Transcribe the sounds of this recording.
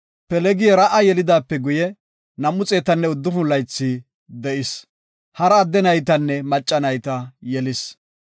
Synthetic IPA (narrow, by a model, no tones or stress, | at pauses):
pɛlɛɡɪjɛɾɐʔɐjɛlɪd̪aːpːɛɡʊjɛ | nɐmːʊt͡sʼe̞ːt̪ɐnːɛʊd̪ːʊfʊlɐjt͡sːi | d̪ɛʔɪs | hɐɾɐːd̪ːɛnɐjt̪ɐnːɛmɐt͡ʃʼːɐnɐjt̪ɐjɛlɪs